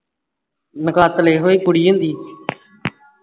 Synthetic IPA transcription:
nəkaːt̪əleːɦoːeːkʊɽijə̃nd̪iː

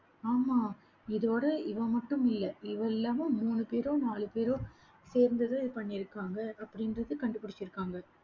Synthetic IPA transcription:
aːmaː | ɪðoːɽɐɪʋɐmɐʈːɯmɪlːɐɪʋɐɛlːaːmɐmuːnɯpeːɾõːnaːɭɯpeːɾõː | seːɾnd̪ɐðɐ̃ːɪðɯpɐɳːɪɾɯkːaːŋɡɐʔɐpːɐɽɪnɾɐðɯkɐɳɖɯpːɐɽɪt͡ʃːɪɾɯkːaːŋɡɐ

